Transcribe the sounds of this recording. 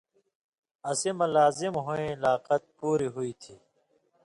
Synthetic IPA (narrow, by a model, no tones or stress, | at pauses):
ɐsimɐlaːzimɦoẽlaːqɐt̪̚puːɾiɦuiːt̪ʰiː